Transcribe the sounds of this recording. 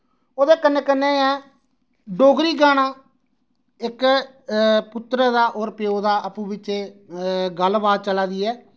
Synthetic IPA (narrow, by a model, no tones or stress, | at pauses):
oːd̪eːkənːeːkənːeːɛː | ɖoːɡɾiːɡaːɽ̃ãː | ɪk | pʊt̪ːɾəd̪aːʔoːɾpɪjoːd̪aːʔəpũːbɪt͡ʃt͡ʃeː | ɡəlbaːd̪̚t͡ʃəlaːd̪iːɛː